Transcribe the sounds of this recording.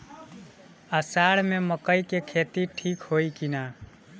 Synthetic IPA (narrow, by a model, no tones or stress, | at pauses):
əsaɽmeməkəjkekʰet̪iʈʰikhojkina